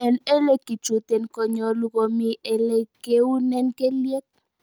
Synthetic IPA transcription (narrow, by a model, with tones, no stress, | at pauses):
ɛ˨nɛ˦lɛ˦ki˨t͡ʃu˨t̪ɛ˨nkɔ˨ɲɔ˨lu˦kɔ˨mi˦ʔɛ˦lɛ˦ke˦u˦nɛ˦nkɛ˦ljɛ˦k̚